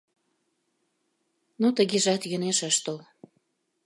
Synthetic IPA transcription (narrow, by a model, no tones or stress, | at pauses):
not̪əɣeʒɑt̪jə̆neʃəʃt̪ol